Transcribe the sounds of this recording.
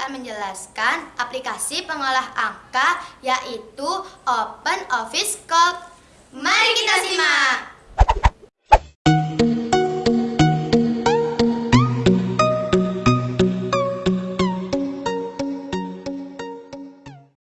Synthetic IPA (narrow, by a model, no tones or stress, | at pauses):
aməɲd͡ʒəlaskanʔaplikasipəŋolaɦaŋkajaʔit̪uʔopənofɪskɔlk̚ | maɾikit̪asima